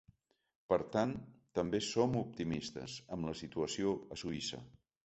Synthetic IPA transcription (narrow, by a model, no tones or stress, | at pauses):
pəɾt̪ant̪əmbesomup̚t̪imist̪ə̰zəmləsit̪uəsioəsuisə̰